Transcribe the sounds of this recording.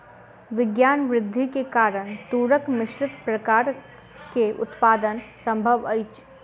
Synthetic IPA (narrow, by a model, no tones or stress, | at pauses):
ʋɪɡjaːnʋɾɪd̪ʱːikekaːɾəɽ̃t̪uːɾəkmɪʃɾɪt̪pɾɐkaːɾ | keʔʊ̰t̪paːd̪ənsə̃mbʱəʋəɪt͡ʃ